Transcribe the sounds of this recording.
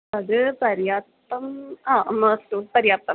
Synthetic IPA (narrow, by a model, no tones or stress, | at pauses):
əɡpəɾjat̪ | əmɦãməst̪opəɾjat̪əm